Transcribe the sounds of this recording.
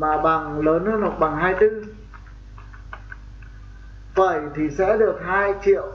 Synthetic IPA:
maː˨˩ɓa˨˩ŋləː˨˦nhɨ˧˥˧no˨˧˩k̚ɓa˨˩ŋɦaː˧˩jt̪ɨ˧ŋ | vəː˨˩jt̪ʰi˨˩sɛ̰˧˥ɗɨ˨˩ək̚haː˧jt͡ɕʰḭ˧˨əw

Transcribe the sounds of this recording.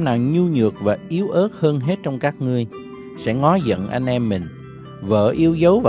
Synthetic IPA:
mnaː˨˩wɲu˧ɲɨ˨˩ək̚vaː˨˩ʔi˨˦əwʔəː˦˥t̚həː˧nɦe˦˥t̚t͡ɕɔ˧wŋ͡mkaː˦˥k̚ŋɨ˧əj | sɛ̰˧˥ŋɔ˨˦zə̰˧˨nʔa˧ŋnʔɛ˧mːï˨˩ŋ̟ | və̰ː˧˩ʔi˧əwzə˨˦wvaː˨

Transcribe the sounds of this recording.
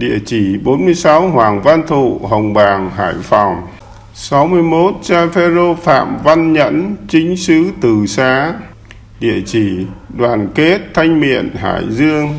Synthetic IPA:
ɗḭ˧˨ət͡ɕi˧˩ɓo˨˦nmɨ˧əjsa˨˦wɦwaː˨˩ŋva˧nt̪ʰṵ˧˨ɦə˨˩wŋ͡mɓaː˨˩ŋɦa̰ː˧˩jfɔ˨˩wŋ͡m | sa˨˦wmɨ˧əjmo˦˥t̚t͡ɕaː˧fɛ˧zo˧fa̰ː˧˨mva˧nɲə̰˧˥nt͡ɕi˨˦ŋ̟sɨ˧˥t̪ɨ˨˩saː˨˦ | ɗḭ˧˨ət͡ɕi˧˩ɗwaː˨˩nke˦˥t̚t̪ʰa˧jŋ̟mḭ˧˨ənɦa̰ː˧˩˨jzɨ˧əŋ

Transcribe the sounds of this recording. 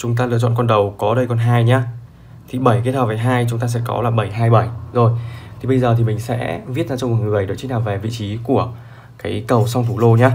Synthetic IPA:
t͡ɕʊ˨˦ŋ͡mt̪̬aː˧lɨ˧ət͡ɕɔ̰˧˨nkɔ˧nɗə˨˩wkɔ˨˦ɗə˧jkɔ˧nɦaː˧jɲaː˧ | t̪ʰi˨˩ɓə˧˩jki˦˥ət̚həː˨˩vaː˨˩ɦaː˧jt͡ɕʊ˨˦ŋ͡mt̪aː˧s̬ɛ̰˧˥kɔ̰˨˦laː˨˩ɓə˧˩jɦaː˧jɓə˧˩jzo˨˩jt̪ʰi˨˩ɓə˧jzəː˨˩t̪ʰi˨˩mï˨˩ŋ̟sɛ̰˧˥vi˦˥t̚zaː˧t͡ɕwŋ͡mkŋɨ˨˩əjɗə̰˨˩t͡ɕi̥˧˦n̚naː˨˩ve˨˩vḭ˧˨t͡ɕi˨˦ku˧˩ə | kaː˨˦jkə˨˩wsa˧wŋ͡mt̪ʰu˧˩lo˧ɲaː˧

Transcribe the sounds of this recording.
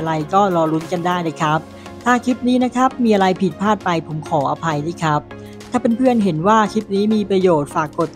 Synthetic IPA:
ɾa˧jkɔː˥˩ɾɔː˧ɾu˦˥nka˧ndaː˥˩jda˥˩kʰɾa˦˥p̚ | t̪ʰaː˥˩kʰi˦˥p̚niː˦˥na˦˥kʰa˦˥p̚miː˧ʔa˧ɾa˧jpʰi˨˩t̪̚pʰaː˥˩t̪̚pa˧jpʰo˩˦mkʰɔː˩˦ʔa˧pʰa˧jdaː˥˩jkʰɾa˦˥p̚ | t̪ʰaː˨˩pe˧npʰɯ˥˩ənɦe˩˦nwaː˥˩kʰi˦˥p̚niː˦˥miː˧pɾa˧joː˨˩t̪̚faː˨˩kːo˨˩t̪̚

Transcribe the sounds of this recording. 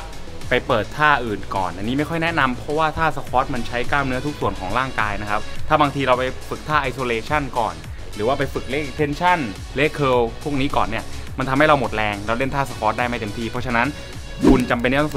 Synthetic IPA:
pa˧jpɤː˨˩t̪ʰːaː˥˩ʔɯː˨˩nkɔ̰ː˨˩nʔa˧nːiː˦˥ma˥˩jkʰɔ˥˩jnɛ˦˥na˧mpʰɾɔ˦˥waː˥˩t̪ʰaː˥˩sa˧kʰɔː˦˥t̪̚ma˧nt͡ɕʰa˦˥jkaː˥˩wmnɯ˦˥ɐt̪ʰu˦˥k̚su˨˩ənkʰɔː˩˦ŋɾaː˥˩ŋkaː˧jna˦˥kʰa˦˥p̚t̪ʰaː˥˩baː˧ŋt̪ʰiː˧ɾa˧wpa˧jfɯ˨˩k̚t̪ʰaː˥˩ʔa˧jsoː˧leː˧t͡ɕʰa˥˩nkɔ̰ː˨˩n | ɾɯː˩˦waː˥˩pa˧jfɯ˨˩k̚le˦˥k̚ʔe˧k̚t̪ʰe˧nt͡ɕʰa˥˩n | le˦˥kʰɤː˧wpʰu˥˩əkniː˦˥kɔː˨˩nːi˥˩ɐ | ma˧nt̪ʰa˧mha˥˩jɾa˧wmo˨˩t̪̚ɾɛː˧ŋɾa˧wle˥˩nt̪ʰaː˥˩sa˧kʰɔː˦˥t̪̚daː˥˩jma˥˩jt̪e˨˩mt̪ʰiː˧pʰɔ˦˥t͡ɕʰa˧na˦˥n | kʰu˧nt͡ɕa˧mp̬e˧nːɛː˦˥t̪ʰːs

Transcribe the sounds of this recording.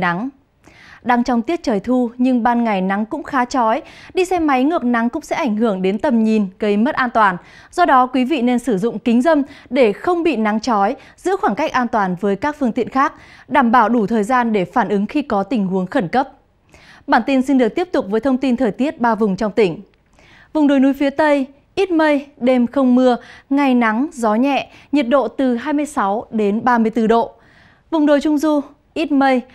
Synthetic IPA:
a˨˦ŋ | ɗa˧ŋt͡ɕɔ˧wŋ͡mt̪i˦˥ət̚t͡ɕəː˨˩jt̪ʰu˧ɲɨ˧ŋɓaː˧nŋa˨˩jna˨˦ŋkʊ̰˧˥ŋ͡mxaː˨˦t͡ɕɔ˨˦jɗi˧sɛ˧ma˨˦jŋɨ˨˩ək̚na˨˦ŋkʊ̰˧˥ŋ͡msɛ̰˧˥ʔa˧˩jŋ̟hɨ˧˩əŋɗe˨˦nt̪ə˨˩mɲi˨˩nɣə˧jmə˦˥t̚ʔaː˧nt̪waː˨˩n | zɔ˧ɗɔ˨˦kwi˨˦vḭ˧˨ne˧nsɨ˧˩zʊ̰˧˨ŋ͡mkï˨˦ŋ̟zə˧mɗe˧˩xə˧wŋ͡mɓḭ˧˨na˨˦ŋt͡ɕɔ˨˦j | z̥ɨ̰˧˥xwaː˧˩nka˦˥jk̟̚ʔaː˧nt̪waː˨˩nvəː˨˦jkaː˦˥k̚fɨ˧əŋt̪ḭ˧˨ənxaː˦˥k̚ɗaː˧˩mɓaː˧˩wɗu˧˩t̪ʰəː˨˩jzaː˧nɗe˧˩faː˧˩nʔɨ˨˦ŋxi˧kɔ˨˦t̪ï˧˩ŋ̟ɦu˨˦əŋxə˧˩nkə˦˥p̚ | ɓaː˧˩nt̪i˧nsi˧nɗɨ˨˩ək̚t̪i˦˥əp̚t̪ʊ˨˩k͡p̚vəː˨˦jt̪ʰə˧wŋ͡mt̪i˧nt̪ʰəː˨˩jt̪i˦˥ət̚ɓaː˧vʊ˨˩ŋ͡mt͡ɕɔ˧wŋ͡mt̪ï˧˩ŋ̟ | vʊ˨˩ŋ͡mɗo˨˩jnu˨˦jfi˨˦ət̪ə˧j | ʔi˦˥t̚mə˧jɗe˧mxə˧wŋ͡mmɨ˧əŋa˧˩jna˨˦ŋzɔ˨˦ɲɛ̰˧˨ɲə˨˩t̚ɗo̰˧˨t̪ɨ˨˩ɦaː˧jmɨ˧əjsa˨˦wɗe˨˦nɓaː˧mɨ˧əjt̪ɨ˧ɗo̰˧˨ | vʊ˨˩ŋ͡mɗo˨˩jt͡ɕʊ˧ŋ͡mzu˧ | ʔi˦˥t̚mə˧j

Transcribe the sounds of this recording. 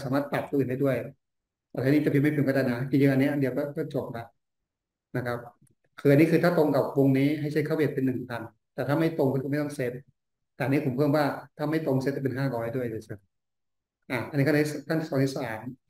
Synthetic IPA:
saː˩˦maː˥˩t̪̚pa˨˩t̪̚tʰuː˧ʔːnda˥˩jdu˥˩əj | aː˧˩a˧˥˨niː˦˥t͡ɕa˨˩pʰi˧˩ma˥˩jpe˨˦nkɔ˧˩aː˧˩jna˦˥ki˧t͡ɕi˧ʔa˧nːi˦˥ɐ˨ʔa˧ndi˧wkɔː˥˩kɔː˥˩t͡ɕo˨˩p̚ba˨˩ | na˦˥kʰa˦˥p̚ | kʰɯː˧ʔa˧ni˦˥kʰɯː˧t̪ʰaː˥˩t̪o˧ŋka˨˩wwo˧ŋniː˦˥ɦa˥˩jt͡ɕʰa˦˥˩kʰa˥˩we˧˩t̪̚pe˧nːɯ˨˩ŋpʰa˧n | t̪ɛː˨˩aː˥˩ma˥˩jt̪o˧ŋkɔ˥˩kʰɯː˧ma˥˩jt̪ɔ˥˩ŋse˦˥t̪̚ | t̪ɛː˨ʔa˧nːiː˦˥˩pʰo˩˦mpʰɤː˥˩mwaː˥˩t̪ʰaː˥˩ma˥˩jt̪o˧ŋse˦˥t̪̚ʰːa˧˩pe˧nɦaː˥˩ɾɔː˧˦ɾa˥˩du˥˩əjdɯ˧˩sʰɯ˧˩ | ʔaː˧˩ʔa˧nː˧˦˥kʰa˥˩˧i˥˩˧kʰa˥˩t̪i˧˥˩ɔː˨˦ŋt̪ʰi˥˩saː˨˩˦m

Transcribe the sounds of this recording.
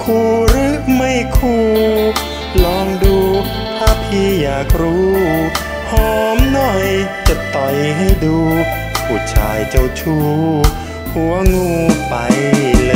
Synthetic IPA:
kʰuː˧˩ɾɯ˦˥ma˥˩jkʰuː˧˩ | lɔː˧ŋduː˧ | t̪ʰaː˧˩pʰiː˧jaː˨˩k̚ɾuː˦ | hɔː˧˦mnɔ˧˩jt͡ɕa˨˧˩t̪ɔ˨˩jɦa˥˩jduː˧ | pʰuː˧˩t͡ɕʰa̰ː˨˩jt͡ɕa˧˩wt͡ɕʰuː˧˩ | hu˧˦əŋuː˧˩pa˨j

